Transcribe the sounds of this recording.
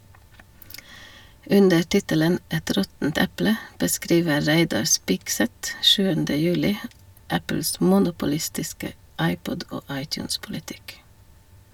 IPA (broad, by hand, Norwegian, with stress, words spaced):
ˈʉndə ˈʈɪtələn ˈɛt ˈɾɔtn̩t ˈɛplə bəˈskɾiːʋə ˈɾæɪdɑɾ ˈspɪɡˌsɛt ˈʃʉːəndə ˈjʉːlɪ ˈæpl̩s ˈmʊnʊpʊˌlɪstɪskə ˈɑɪˌpɔd ˈoː ˈɑɪˌtjʉːnspʊlɪˌtɪk